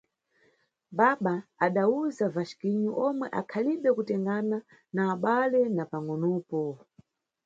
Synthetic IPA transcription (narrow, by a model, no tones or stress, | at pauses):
ɓaɓaːɗauzavaʃkiɲuʔɔmwɛʔakʰaliɓɛkutɛŋɡana | naːɓalɛnapaŋɔnɔːpɔ